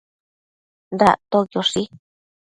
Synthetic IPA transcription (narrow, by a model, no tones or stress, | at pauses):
nd̪at̪ojoʂi